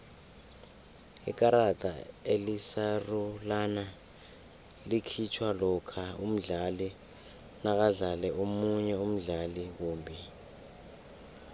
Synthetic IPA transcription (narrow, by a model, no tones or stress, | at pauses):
ḭk̬ʼaɾatʼa̰elisarulana | likʰit͡ʃʰwalɔkʰaum̩ɮali | nak̬aɮalɛʔomuɲɛum̩ɮaliwoːmbʱi